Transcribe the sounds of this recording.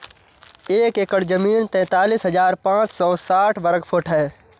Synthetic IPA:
eːkekəɽd͡ʒɐmiːnt̪ɛ̃ːt̪aːliːsɦɐd͡ʒaːɾpãːt͡ʃsɔːsaːʈʰʋəɾəɡpʰoʈʰɦɛː

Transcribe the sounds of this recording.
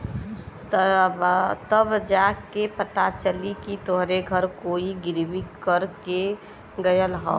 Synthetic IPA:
t̪bt̪əbd͡ʒaːkːepət̪at͡ʃəlikit̪oɦɾeɡʱəɾkoːiɡɪɾwikəɾke | ɡəjəlɦo̰ː

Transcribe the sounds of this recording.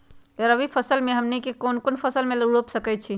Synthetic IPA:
əɾəbʱipʰəsəlmeɦəmnikekonkonpʰəsəlmeləɽopsəkɛt̪̚t͡ʃʰi

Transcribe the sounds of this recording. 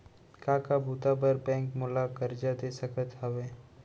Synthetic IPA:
kaːkabʱut̪abəɾbɛ̃ːŋkmʊlakɐɾd͡ʒad̪eːsəkət̪ɦɐʋeː

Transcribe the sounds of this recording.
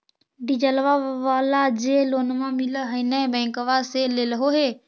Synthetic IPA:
ɖid͡ʒəlʋaʋaːlad͡ʑeːloːnmãmɪləɦənə̃bɛ̃ːŋkəʋaseleːləɦoɦeː

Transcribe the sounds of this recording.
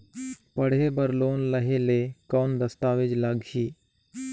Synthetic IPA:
pəɽ̤ɦebəɾloːnləɦeleːkɔːnd̪əst̪aːʋɪd͡ʒləɡɦiː

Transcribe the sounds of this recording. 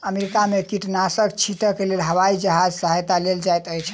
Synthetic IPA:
əmeɾikamekiʈnasək̚t͡ʃʰit̪əkelelɦəʋwaid͡ʒəɦad͡ʒsəɦajt̪aleld͡ʒajt̪əjt͡ʃʰ

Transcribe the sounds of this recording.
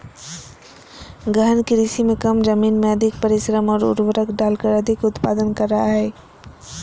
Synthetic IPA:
ɡəɦnkɪɾisimẽkɐmd͡ʒɐmiːnmẽɐd̪ʱɪk̚pɐɾɪʃɾəmɔːɾʊ̰ɾwəɾəkɖaːlkəɾɐd̪ʱɪkʊt̪paːd̪ənkɐɾːɐɦaɦɛː

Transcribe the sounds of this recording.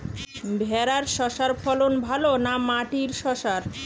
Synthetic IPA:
bʱɛɾaɾʃɔʃaɾfʰɔlonbʱalonamaʈiɾʃɔʃaɾ

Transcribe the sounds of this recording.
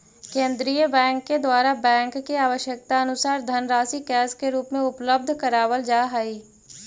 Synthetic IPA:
kẽːnd̪ɾiːjəbɛ̃ːŋkːed̪waːɾabɛ̃ːŋkːiaːʋəʃjək̚t̪aɐnʊsaːɾd̪ʱənɾaːsikɛːskeɾuːpmẽʊpləb̚d̪ʱkəɾaːwəld͡ʒaːɦaːiː

